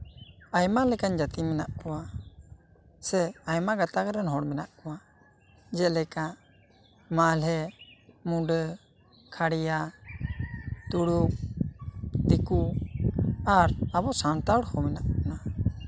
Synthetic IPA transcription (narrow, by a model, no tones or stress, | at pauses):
ajmalɛkaɲd͡ʒat̪imɛnaʔkɔwa | sɛajmaɡat̪akɾɛnɦɔɽmɛnaʔkɔwa | d͡ʒɛlɛka | malɦɛmuɖə | kʰaɽija | t̪uɽuk̚ | t̪iku | aɾabɔsant̪aɽhɔmɛnaʔkana